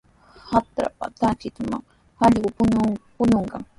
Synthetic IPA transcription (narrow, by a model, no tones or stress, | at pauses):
hat̪ɾa̰pat̪at͡ʃɪt̪ʊma̰ŋ | aʎɢʊpʊɲopʊɲoɴɢɑŋ